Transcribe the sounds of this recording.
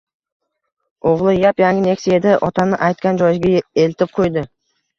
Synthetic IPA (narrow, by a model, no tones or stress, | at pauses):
oʁlˠʊjapjaŋɡʲɪne̞kʲsɪe̞d̪ɪʔɒt̪ɑnɪʔajt̪̚kʲɑnd͡ʒɒjzɡʲɪe̞lt̪ɪp̚qʰojd̪ɪ